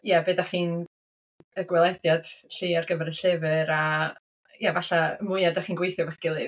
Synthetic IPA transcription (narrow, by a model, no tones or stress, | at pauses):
jɛbeːdaχiːn | əɡwɛlˠɛdjad̥ɬiːarɡəvɛɾəɬɛvɨɾa | javaɬaəmʊɨadaχiːnɡwejθjɔbaχiɡ̥ɪlˠɨ